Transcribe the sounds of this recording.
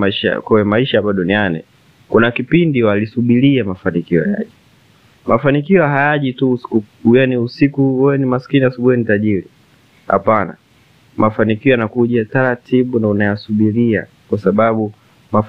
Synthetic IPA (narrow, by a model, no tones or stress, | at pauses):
ʃa̰kɔwɛmaiʃaɓaɗɔnianḭ | kunakipindiwalisuɓiliamafanikiɔ̰a̰ja̰ʄi | mʔafanikiɔɦajaʄitusku | janiusikuwɛwɛnimaskiniasuɓuhɛnitaʄiɾi | ha̰pana̰ | mafanikiɔjanakuʄataɾatiɓunaunajasuɓilia̰ | kwasaɓaɓu | maf